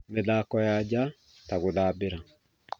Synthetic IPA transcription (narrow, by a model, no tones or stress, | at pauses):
mɛd̪aːkːɔjaːd͡ʒa | t̪aɡʊd̪aːbɪɾa